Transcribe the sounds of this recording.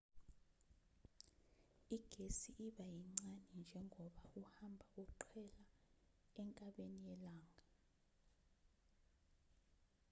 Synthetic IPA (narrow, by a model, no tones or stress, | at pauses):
iɡ̥ʱesiʔiɓajiŋ͡ǀanɛnd͡ʒʱɛŋʱɔɓauhambʱaukuǃʰwɛla | ɛŋkʼaɓenijɛlaːŋʱa